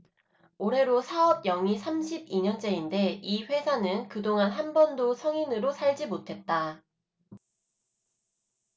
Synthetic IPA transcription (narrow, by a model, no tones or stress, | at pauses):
oɾe̞ɾosʰaʌb̚jʌŋisʰamɕʰibiɲʌnd͡ʑ͈e̞inde̞iɸwe̞sʰanɯnkɯdoŋanɦanbʌndosʰʌŋinɯɾosʰaɭd͡ʑimotʰe̞t̚t͈a